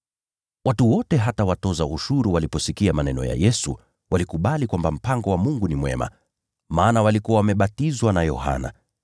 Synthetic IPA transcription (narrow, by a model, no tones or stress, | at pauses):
watuwɔtɛɦatawatɔzauʃuɾuwalipɔsikiamanɛnɔ̰ja̰jɛsṵ | walikuɓalikwambam̩paŋɡɔwamuŋɡunimwɛ̰ma̰ | maːnawalikuawamɛɓatizwanajɔ̰ha̰na̰